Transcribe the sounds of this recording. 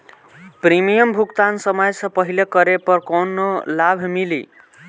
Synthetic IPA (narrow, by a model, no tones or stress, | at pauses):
pɾimijəmbʱukt̪ansəməjsʌ̃pəɦilekəɾepʌɾkonolabʱmilḭ